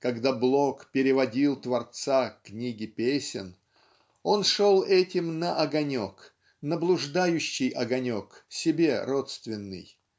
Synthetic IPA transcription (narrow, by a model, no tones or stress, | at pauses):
kɐɡd̪ablˠokpʲɪɾʲɪvɐdʲilˠt̪vɐrt̪sakːnʲiɡʲɪpʲesʲɪ̰n | o̞nʂo̞lˠɛtʲɪmnəʔɐɡɐnʲo̞k | nəblˠʊʐd̪ajʉɕːɪjɐɡɐnʲo̞ksʲɪbʲe̞ro̞t̪st̪vʲɪnːɨ̰j